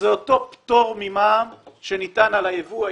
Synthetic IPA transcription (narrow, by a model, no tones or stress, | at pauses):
zeoto̞pt̪o̞ʁmimaːmʃenit̪analaevua